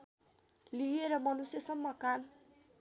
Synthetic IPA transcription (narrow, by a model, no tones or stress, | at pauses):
lieɾʌmʌnusjʌsʌmːʌkan